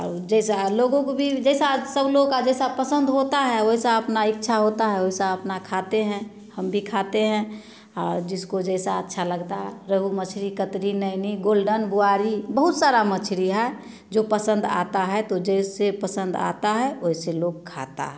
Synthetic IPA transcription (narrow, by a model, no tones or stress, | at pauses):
ɔ̰ɾd͡ʒɛɪsaloɡõkobʱid͡ʒɛɪsasəbloɡkad͡ʒɛɪsapəsə̃nd̪ɦot̪aɦɛoisaəpnaɪkːt͡ʃʰaɦot̪aɦɛoɦisaəpnakʰat̪eɦɛ̃ | həmbʱikʰat̪eɦɛ̃ | ɔːɾd͡ʒɪskod͡ʒɛːsaətːʃʰaləɡt̪aɦɾəɦumət͡ʃʰɾikət̪ɾinəɪniɡoːlɖənbuaːɾibəɦut̪saɾamət͡ʃʰɾiɦɛ | d͡ʒopəsə̃nd̪a̰t̪aɦɛt̪od͡ʒɛsepəsə̃nd̪a̰t̪aɦɛoiseloːɡ̚kʰa̰t̪a̰ɦɛ